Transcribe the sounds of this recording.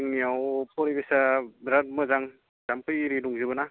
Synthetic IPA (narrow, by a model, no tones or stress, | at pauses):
ŋniawpʰɔɾibesaɾat̚mɯzaŋ | zampʰɯjɾiduŋzibɯna